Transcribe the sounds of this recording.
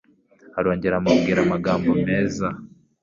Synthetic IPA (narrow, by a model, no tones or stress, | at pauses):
haɾo̞ːɲɟeɾamaβɡiːɾamaɡaːmbome̞ːza